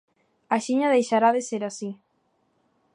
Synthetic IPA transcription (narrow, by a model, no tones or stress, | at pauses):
aʃiɲɐðejʃaɾaðeseɾasi